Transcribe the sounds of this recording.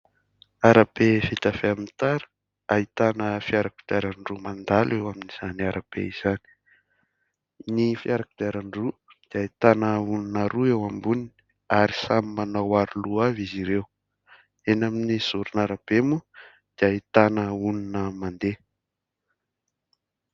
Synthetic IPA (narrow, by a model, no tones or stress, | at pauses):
aɾab̥efit̪afeamint̪aɾə̥ | ait̪anəfiaɾaku̥d̪iaɾaɳɖ͡ʐumand̪alewaminiz̥aniaɾab̥ḛiz̥ani̥ | nifiaɾaku̥d̪aɾaɳrud̪̥iait̪anəuninaɾuewambunini̥ | aɾisamimanawaɾuluaviziɾew | enaminiz̥uɾunaɾab̥emu | d̪̥iait̪anəuninəmand̪e